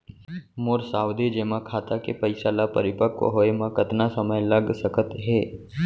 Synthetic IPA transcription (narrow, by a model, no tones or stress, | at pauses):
moːɾsaːwd̪ʱed͡ʒeːmãkʰaːt̪akepəɪsalapəɾɪpəkːo̰ɦoːemãkət̪nasəməjləɡsəkət̪ɦeː